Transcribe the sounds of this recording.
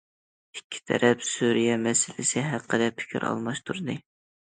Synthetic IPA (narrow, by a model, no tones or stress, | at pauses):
ikʲʰːi̥t̪ʰɛ̰ɾʔɛpsuɾijɛmɛsɪlɪsɪɦæqʰːəd̪ɛpʰɪ̥kʲʰḭɾʔɑ̰lˠmɑʃt̪ʰuɾɨd̪ɨ